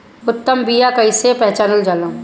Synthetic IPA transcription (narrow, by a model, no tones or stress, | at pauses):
ʊt̪ːəmbijakɐisepɛɦt͡ʃaːnəld͡ʒalã